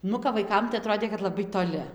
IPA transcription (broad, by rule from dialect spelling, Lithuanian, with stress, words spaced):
ˈnʊ kɐp ʋɐɪˈkɐm tɐɪ ɐˈtroːdʲeː kɐt lˠɐˈbɐɪ toːˈlʲɪ